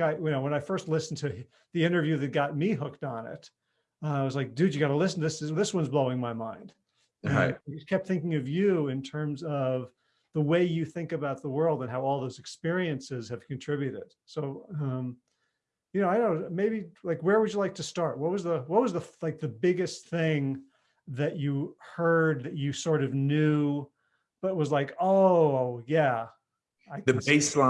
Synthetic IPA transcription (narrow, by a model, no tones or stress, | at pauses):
ɡɑt̚jɨnoʊwə̃ñaɪfɜ˞stˡlɪsn̩tʰɨ | ðiɪ̃ɾ̃ə˞vjʉðɨt̚ɡ̥ɑt̚miɦʊk̚tn̩ɪ̰t̚ | ʌaɪwʌzlaɪk̚d̥ʉɨɡɑɾəlɪsn̩ðɪsðɪswʌ̃nzbloʊɪ̃ŋmaɪmãɪ̃nd̥̰ | ɨ̥kʰɛp̚t̪θɪ̃ŋkɪ̃ŋʌvjʉɪ̃ntʰɜ̃˞mzʌv | ðəweɪjɨθɪ̃ŋkɨbaʊt̪̚ðəwɜ˞lˠdə̃nɦaʊɔlˠðoʊzɨkspɪɹiɨ̃nsɪz̥ɨv̥kɨ̃ntʰɹ̥ɪbjʉɾɪ̰d̥soʊʌ̃m | jɨñoʊaɪnoʊmeɪbilaɪkwə˞wɨd͡ʒɨlaɪk̚tʰɨstɑɹt̚wʌt̚wʌzðəwʌt̚wʌzðəlaɪk̚ðɨbɪɡɨst̪θɪ̃ŋ | ðɨt͡ʃɨhɜ˞d̪̚ðɨt͡ʃɨsɔɹɾʌvnʉ | b̥ʌɾɨt̚wʌzlaɪkoʊoʊjæ | aɪðɨeɪslã